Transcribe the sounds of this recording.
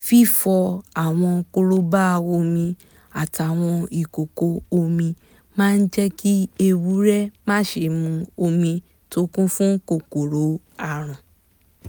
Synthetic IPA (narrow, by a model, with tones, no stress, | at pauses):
fi˦fɔ˧a˨w̃ɔ̃˧ko˧ɾo˦ba˦˧wo˧˦mĩ˧ | a˨ta˨w̃ɔ̃˧i˨ko˨ko˧o˧mĩ˧ | mãː˦˧n̩˦d͡ʒɛ˦ki˦e˧wu˨˦ɾɛ˦mãː˦ʃe˧˨mũ˧o˧mĩ˧ | to˦kũ˦fũ˦ko˦˨ko˨ɾo˨˦ | a˦˨ɾ̃ã˨